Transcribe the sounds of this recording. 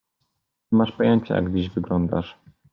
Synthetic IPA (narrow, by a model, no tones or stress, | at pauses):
maʂpɔjɛɲt͡ɕɛ̰ja̰ɡd͡ʑiʑvɘɡlɔnd̪a̰ʂ